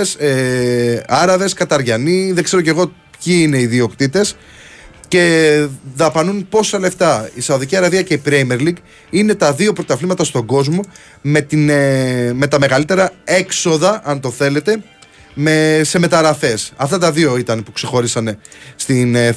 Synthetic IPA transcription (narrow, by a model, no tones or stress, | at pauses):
se | ɐɾɐve̞skɐt̪ɐɾʝɐniðeɡze̞ɾo̞ce̞ɣo̞ | pçiine̞iðio̞kt̪it̪e̞s | ce̞ðɐpɐnunpo̞sɐle̞ft̪ɐisɐoðiciɐɾɐðiɐce̞ipɾejme̞ɾliɡ | ine̞t̪ɐðio̞pɾo̞t̪ɐflimɐt̪ɐst̪o̞ɡo̞zmo̞ | me̞t̪inme̞t̪ɐme̞ɣɐlit̪e̞ɾɐe̞kso̞ðɐʔɐnt̪o̞θe̞le̞t̪e̞ | me̞seme̞t̪ɐɾɐθe̞sɐft̪ɐt̪ɐðio̞it̪ɐnpukse̞xo̞ɾisɐne̞st̪in